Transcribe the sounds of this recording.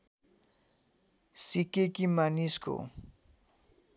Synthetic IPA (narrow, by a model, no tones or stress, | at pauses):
sɪkɪjkɪmanɪskʊ̰